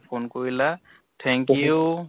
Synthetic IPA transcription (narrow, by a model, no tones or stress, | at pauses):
pʰonkɔɹila | t̪ʰɛŋkiju